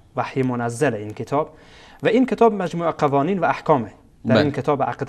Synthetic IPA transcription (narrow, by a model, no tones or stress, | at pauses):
vaħjemonæzːalinkʰet̪ʰɒːb | væʔinkʰet̪ʰɒːbmæd͡ʒmuːʔqævɒːniːnvæːħkʰɒːme | d̥̪æɾɾiːnkʰet̪ʰɒːbʔa̰qd̪